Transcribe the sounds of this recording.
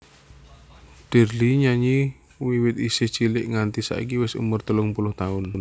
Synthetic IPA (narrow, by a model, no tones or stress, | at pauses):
d̥ɛ̤liɲaɲi | wiwɪt̪isɪht͡ʃilɪʔŋant̪isa̰ḭkiwɪsṵmʊrt̪əlʊŋpulʊht̪aʊnn